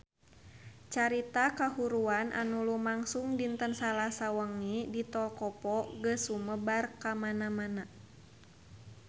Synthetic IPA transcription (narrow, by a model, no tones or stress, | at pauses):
t͡ʃaɾit̪akahuɾuanʔa̰nulumaŋsuŋdint̪ənsalasawəŋidit̪ɔlkɔpɔɡəsuməbarkamanamana